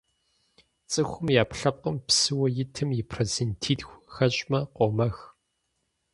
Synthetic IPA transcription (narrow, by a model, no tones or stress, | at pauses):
t͡sʼɨxʷʊmjaːpɬɐp̚qəmpsɨwɐjɪtʰɨmjɪpʰrɐzɨntʰiːtxʷxɐɕʼmɐqʷomɐx